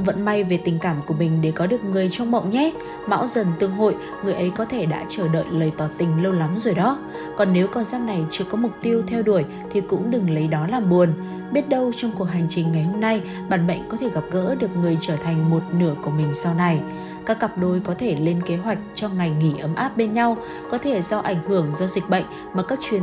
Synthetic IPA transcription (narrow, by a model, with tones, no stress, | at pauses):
və̰˧˨nma˧jve˨˩t̪ï˨˩ŋ̟kaː˧˩mku˧˩əmï˨˩ŋ̟ɗe˧˩kɔ˨˦ɗɨ˨˩ək̚ŋɨ˨˩əjt͡ɕɔ˧wŋ͡mɓa̰˧˨wŋ͡mɲɛ˦˥ | ma̰ː˧˥wzə˨˩nt̪ɨ˧əŋɦo̰˧˨j | ŋɨ˨˩əjʔə˨˦jkɔ˨˦t̪ʰe˧˩ɗa̰ː˧˥t͡ɕəː˧˩ɗə̰ː˧˨jləː˨˩jt̪ɔ˨˩t̪ï˨˩ŋ̟lə˧wla˨˦mzo˨˩jɗɔ˨˦ | kɔ˨˩nːe˨˦wkɔ˨˧˩nzaː˦˧m̚na˨˩jt͡ɕɨ˧˩kɔ˨˦mʊ˨˩k͡p̚t̪i˧əwt̪ʰɛ˧wɗu˧˩əj | t̪ʰi˨˩kʊ̰˧˥ŋ͡mɗɨ˨˩ŋlə˨˦jɗɔ˨˦laː˨˩mɓu˨˩ən | ɓi˦˥ət̚ɗə˧wt͡ɕɔ˧wŋ͡mku˨˩ək̚ɦa˨˩jŋ̟t͡ɕï˨˩ŋ̟ŋa˨˩jho˧mna˧j | ɓaː˧˩nɓə̰˧˨jŋ̟kɔ˨˦t̪ʰe˧˩ɣa˨˩p̚ɣə̰ː˧˥ɗɨ˨˩ək̚ŋɨ˨˩əjt͡ɕəː˧˩t̪ʰa˨˩jŋ̟mo˨˩t̚nɨ˧˩əku˧˩əmï˨˩ŋ̟sa˧wna˨˧˩j | kaː˦˥kːa˨˩p̚ɗo˧jkɔ˨˦t̪ʰe˧˩le˧nke˨˦ɦwa˨˩jk̟̚t͡ɕɔ˧ŋa˨˩jŋŋi˧˩ʔə˨˦mʔaː˦˥p̚ɓe˧nɲa˧w | kɔ˨˦t̪ʰe˧˩zɔ˧ʔa˧˩jŋ̟hɨ˧˩əŋzɔ˧zï˨˩k̟̚ɓə̰˧˨jŋ̟ | maː˨˩kaː˦˥k̚t͡ɕwi˨ə